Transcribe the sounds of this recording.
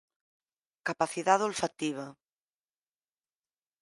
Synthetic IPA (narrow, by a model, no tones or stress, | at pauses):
kapaθiðaðolfat̪iβ̞ɐ